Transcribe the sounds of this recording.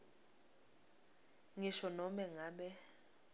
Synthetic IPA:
ŋiʃɔnɔmɛŋaːɓɛ

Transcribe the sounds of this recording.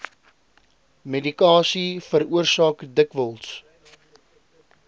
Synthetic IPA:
medikɑːsifəɾuərsɑːkdəkvəlˠs

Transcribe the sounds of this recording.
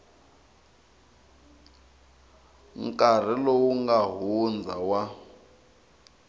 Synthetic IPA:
ŋ̩kʼar̤ilowuŋɡaɦund͡zʱawa

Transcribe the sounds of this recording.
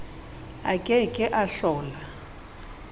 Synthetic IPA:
a̰kʼɛkʼɪʔaɬɔːla

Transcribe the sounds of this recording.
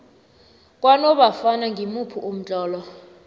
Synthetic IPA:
k̬ʼwanɔɓafanaŋʱimupʰuʔum̩t͡ɬʼɔːlɔ

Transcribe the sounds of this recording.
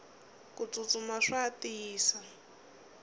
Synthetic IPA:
kut͡sʼut͡sʼumaʂatiːsa

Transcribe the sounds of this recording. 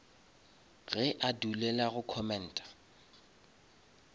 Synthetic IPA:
ɣɛʔadulɛlaɣʊkʰɔmɛn̩ːtʼḁ

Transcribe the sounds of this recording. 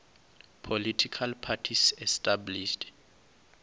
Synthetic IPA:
pʰolitʰikʰalpʰatʰisɛstʼabliʃt

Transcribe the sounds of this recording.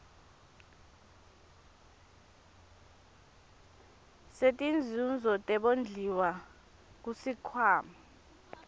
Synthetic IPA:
setʼind͡zʱund͡zʱɔtʼɛɓond͡ɮʱiwa | k̬usikʰwaːma

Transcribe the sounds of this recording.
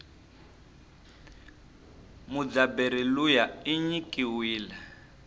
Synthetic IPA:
mud͡zabeɾilujaiɲikʼiwiːla

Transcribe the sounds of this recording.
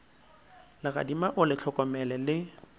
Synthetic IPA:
lɪɣa̰dimaʔʊlɪt͡ɬʰɔkʼɔmɛlɛlɪ

